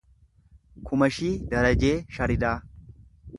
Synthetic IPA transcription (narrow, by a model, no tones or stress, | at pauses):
kʰʊmɐʃiːd̪ɐɾɐd͡ʒeːʃɐɾɪd̪aː